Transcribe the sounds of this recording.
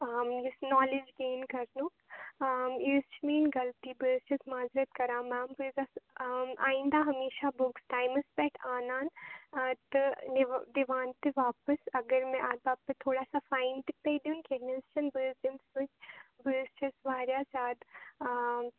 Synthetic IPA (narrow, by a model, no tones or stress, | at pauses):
amjisnɔːlɪd͡ʒɡeːnkɐɾnu | mist͡ʃmiːnɡɐlt̪ibəːst͡ʃɐsmaːzɾət̪kɐɾãːmãːmbɨzasa̰ːɪ̃nd̪aɦɐmeːʃabʊksʈaːɪməsbɛːʈʰaːnaːn | t̪ɨnd̪iʋaːnt̪eʋaːpəsɐɡəɾmɛ̃ʔaːd̪̚baːb̚pet̪ʰoːɽaːsafaːɪnt̪ik̚pejd̪unkeːnist͡ʃɐnbɪːzimsʊt͡ʃbəːst͡ʃɐsʋaːɾjaːsaːd̪